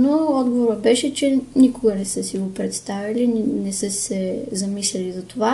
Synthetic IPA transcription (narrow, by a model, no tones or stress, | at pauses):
noɔd̪ɡovoɾəbɛʃɛt͡ʃɛnikʊɡənɛsəsiɡopɾɛt̪st̪avɐlinnɛsəsɛzɐmislʲɛlizɐt̪ova